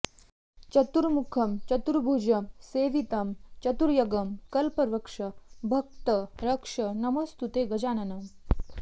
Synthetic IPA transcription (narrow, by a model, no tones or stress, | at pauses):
t͡ʃɐt̪uɾmukʰɐmt͡ʃɐt̪uɾbʱuːd͡ʒɐmseːʋit̪ɐmt͡ʃɐt̪uɾjɐɡɐmkɐlpɐɾʋɐkʂɐbʱɐk̚t̪ɐɾɐkʂɐnɐmɐst̪ut̪eːɡɐd͡ʒaːnɐnɐm